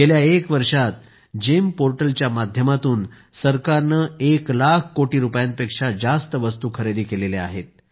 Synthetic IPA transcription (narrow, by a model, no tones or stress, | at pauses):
eljaekʋəɾʂat̪̚ | d͡ʑempoɾʈəlt͡ɕjamad̪ʱjəmat̪uːn | səɾkaɾnəeklakʰkːoʈiːɾupjãnpekʂad͡zast̪əʋəst̪uːkʰəɾed̪iːkelelea̰ɦet̪̚